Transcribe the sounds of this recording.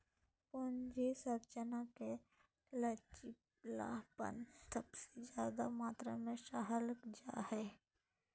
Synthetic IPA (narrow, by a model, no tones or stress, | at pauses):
pʊnd͡ʒesəɾt͡ʃənake | lət͡ʃi | la̰ːpə̰nsəbsed͡ʒjaːd̪amaːt̪ɾamẽʃaːɦələkd͡ʒaːhɛː